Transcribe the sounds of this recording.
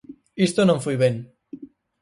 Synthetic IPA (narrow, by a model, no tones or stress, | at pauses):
ist̪onõɱfwiβen